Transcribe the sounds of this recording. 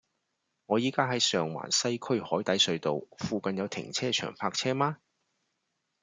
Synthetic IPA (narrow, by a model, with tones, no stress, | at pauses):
ŋɔː˨˧jiː˨˥kaː˥ɦɐ˨˥jsœː˨ŋwa̰ː˨˩nsɐ˥jkʰɵ˥ɥhɔː˨˥jt̪ɐ˨˥jsɵ˨˧ɥt̪o˨wfuː˨˧kɐ˨njɐ˨˧wt̪ʰɪ̰˨˩ŋt͡sʰɛː˥t͡ʃʰœ̰ː˨˩ŋpʰaː˧k̚t͡sʰɛː˥maː˥